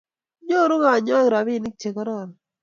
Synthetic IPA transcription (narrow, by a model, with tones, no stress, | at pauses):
ɲo˦ɾʊ˦ŋa˨ɲɔ˦˨ɾa˨bi˦˨nɪ˦k̚t͡ʃe˨kɔ˦ɾɔ˦˨n